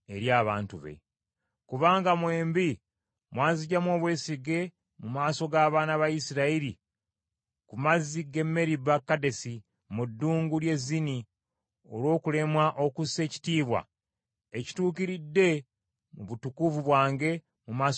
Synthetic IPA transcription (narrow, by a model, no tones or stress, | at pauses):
eɾjaːβaːntuβe̞̰ | kuβaːŋɡamwe̞ːmbi | mwaːziɟamwo̞ːβwe̞ːsiɡe̞ | mumaːso̞ɡaβaːnaβaisiɾaiɾi | kumaziɡe̞mːe̞ɾibakːade̞si | mudːuːŋɡulje̞zːini | olwo̞ːkule̞mwaʔokuse̞ːci̥tiːβwa̰ | eci̥tuːkiɾidːe̞ | muβutukuvuβwaːŋɡe̞ | mumaːs